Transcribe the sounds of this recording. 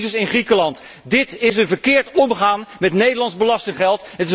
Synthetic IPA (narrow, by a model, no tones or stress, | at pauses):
zəsɪnχrikəlɑnt | dɪtɪsənvəɹkɪːɹtɔməχaːnmɛtnejdəlɑnzbəlɑstɪŋχɛlˠtɦətɪ